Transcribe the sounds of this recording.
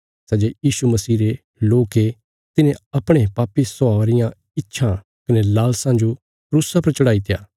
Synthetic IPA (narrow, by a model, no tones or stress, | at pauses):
sɛːd͡ʒejiːsumɐsiːɾe | loːke | t̪ɪnẽɐpɽ̃epaːpisɔaːɾɪjã | ɪtːʃʰã | kɐnelaːlsãd͡ʒo | pɾuːsapɐɾt͡ʃɐɽaːit̪ʰɪjaː